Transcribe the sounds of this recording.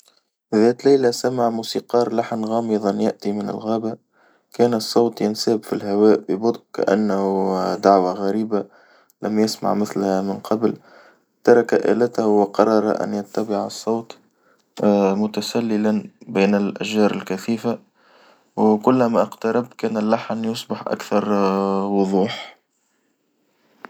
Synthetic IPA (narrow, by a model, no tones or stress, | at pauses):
ðæːt̪lajlasamaʕmuːsiqɑːɾˤlaħnɣɑːmɪðˤɑnjaʔt̪imɪnɪ̰lɣæːba | kæːnɨsˤːɑːt̪ˤjɪnsæːbfilhawæːʔbɪbʊd̪ˤka̰ʔa̰nːhud̪aʕwaɣæɾiːba | læmjɪsma̰ʕmɪθlhæmɪnqʰɑbl | t̪ɑɾˤɑkaʔæ̰ːlæt̪hwɪqɑɾˤɑɾˤɑ̰ʔæ̰njat̪ːabɪʕɑ̰sˤːɑːt̪ˤ | mʊt̪asalːɪlanbiːnɪlʔæʒɑːɾˤɪlkæθiːfa | wkʊlːmaʔɑqt̪ɑɾˤɑb̚kæːnɪlːaħnjʊsˤbɪħʔa̰kθɑɾˤwʊðˤuːħ